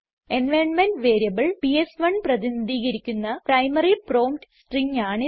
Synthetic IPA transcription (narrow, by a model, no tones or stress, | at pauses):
enʋeɳɖmenɖʋe̞ːɾijɐbɐɭpiesʋɐɳprɐðinɐd̪ʱiːɣɐɾikʲːunːɐprɐjmɐriproːmʈsʈriŋaːɳɨ